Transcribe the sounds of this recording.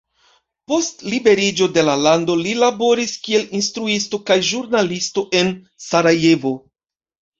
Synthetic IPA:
po̞stlibe̞ɾid͡ʒo̞de̞lalando̞lilabo̞ɾiskie̞linstɾuisto̞kajʒuɾnalisto̞ʔe̞n | saɾaje̞vo̞

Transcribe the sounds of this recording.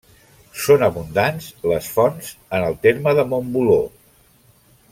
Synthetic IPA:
sonəβund̪anzləsfɔnzənəlˠt̪eɾməðəmombulo

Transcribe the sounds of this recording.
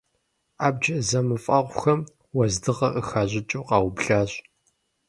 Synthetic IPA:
aːb̚d͡ʒɐzɐmɨfʼɐʁʷʊxɐm | wɐzdɨʁɐʔəxaːʑɪt͡ʃʼoːqɑːwbɬaːɕʼ

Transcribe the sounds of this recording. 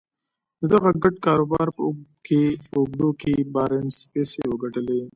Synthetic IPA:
d̪əd̪aɣaɡaɖkɑːɾoːbɑːɾpəkeʊɡ̚d̪okebɑːɾenspeːsewəɡɐʈəle

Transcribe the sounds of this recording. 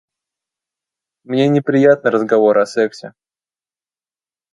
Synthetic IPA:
mnʲe̞nʲɪpɾʲɪjat̪̚nɨɾəzɡɐvo̞ɾɐsɛksʲɪ

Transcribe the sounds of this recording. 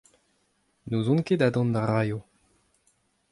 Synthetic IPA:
nozɔ̃nked̪ad̪ɔ̃nd̪aʁajo

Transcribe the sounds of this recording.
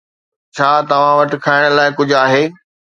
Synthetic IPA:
t͡ɕʰaːt̪ɐʋ̤ãʋɐʈɪ̆kʰaːɪɽ̃̆laːɪkʊd͡ʑʱʊaːɦeː

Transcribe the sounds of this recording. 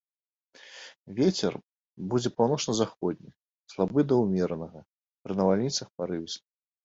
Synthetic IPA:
vʲet͡sʲɛ̰r | bud͡zʲɛpawnɔʂnɐzaxɔd̪ʲnʲḭ | slˠabɨd̪ɐwmʲɛɾɐnɐɣɐ | pɾɨnɐvalʲnʲit̪sɐxpaɾɨvʲsʲ

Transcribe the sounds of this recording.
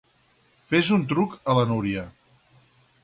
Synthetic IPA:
fezunt̪ɾukələnuɾiə

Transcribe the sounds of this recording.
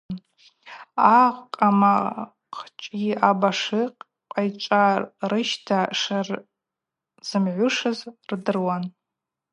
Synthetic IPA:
aʁqʼama | qʰt͡ʃʼɡʲiʔabaʂɨqʼ | qʼajt͡ʃʷʼarɨʃtʰaʂar | z̥ɨmʕʷʊʂɨzrdɨrwan

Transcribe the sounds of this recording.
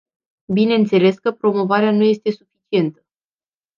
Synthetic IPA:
bine̞nt̪se̞le̞skəpɾo̞mo̞vaɾeanuje̞st̪e̞sufit͡ʃie̞nt̪ə̥

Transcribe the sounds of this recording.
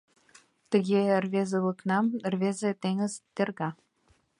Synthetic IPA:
t̪ə̆ɣʲerβezelɤknɑmrβezĕt̪eŋə̆zt̪erɣɑ

